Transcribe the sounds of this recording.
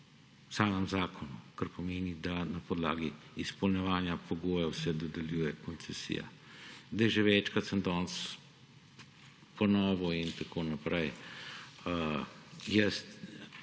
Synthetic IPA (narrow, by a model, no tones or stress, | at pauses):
saːmemzaːkʰonukaɾpomeːnid̪anapod̪la̰ːɡiispolɲɛʋaːnjapoɡoːjɛwsɛd̪od̪ɛljuːjɛkont̪sɛsḭja̰ | d̪ɛʒɛʋɛːt͡ʃkat̪sənd̪ɔːns | ponɔːʋɔint̪akʰoːnapɾʔɛj | jɛst̪